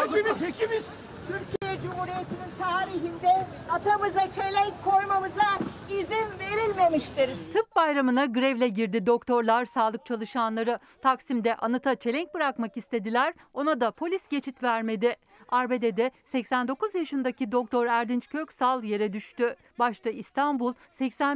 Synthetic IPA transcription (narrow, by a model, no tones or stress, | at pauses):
ieiniz | t̪ʰyɾcʰijɛd͡ʒumuːɾijet̪ʰinint̪ʰaːɾiɦind̪ɛ | at̪ʰamɯzat͡ʃʰe̞lʲɛɲckʰːo̞ɾmamɯza | izinve̞ɾilʲme̞miʃt̪iɾt̪ʰɯp̚bajɾamɯnaɡɯɾɛvlʲɛɟiɾd̪id̪o̞kt̪ʰo̞ɾlˠaɾsaːlˠɯk̚t͡ʃʰalˠɯʃanlˠaɾɯ | t̪ʰaksimd̪ɛʔanɯt̪ʰat͡ʃʰe̞lʲɛɲc̚bɯɾakmakist̪ʰe̞d̪ilʲæɾ | o̞nad̪apʰo̞lʲisɟe̞t͡ʃʰit̪væɾme̞d̪i | aɾbe̞d̪ed̪ɛsɛcsænd̪o̞kuzjaʃɯnd̪acid̪o̞k̚t̪ʰo̞ɾæɾd̪int͡ʃkʰøcsalˠje̞ɾɛd̪yʃt̪y | baʃt̪ɯist̪ʰanbulˠsɛcsæn